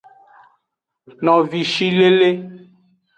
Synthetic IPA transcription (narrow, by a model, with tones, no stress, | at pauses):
nɔ̃˨vi˨ʃi˦le˦le˦